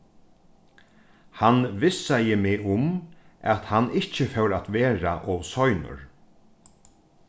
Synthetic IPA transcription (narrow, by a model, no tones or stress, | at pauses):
hanʋɪsːajɪmɪʊmat̪hanɪht͡ʃəfœwɾat̪ʋeːɾaʔɔʋsɔjnʊ̰ɹ